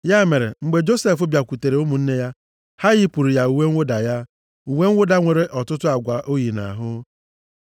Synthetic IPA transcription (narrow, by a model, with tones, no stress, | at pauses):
ja˦me˨ɾe˨ŋ͡m̩˨ɡ͡be˨d͡ʒo˦se˦fʊ˦bja˨kʷu˨te˨ɾe˨˦o˦mu˨n̩˦ne˦ja˦ | ha˦ɣɪ˦pu˨ɾi˨ja˦u˨we˦ŋ̩ʷ˦ʊ˦da˨ja˦ | u˨we˦ŋ̩ʷ˦ʊ˦da˦ŋʷe˨ɾe˦ʔɔ˨tʊ˦tʊ˦a˨ɡʷa˨ʔo˦ji˨na̰˨ɦʊ˦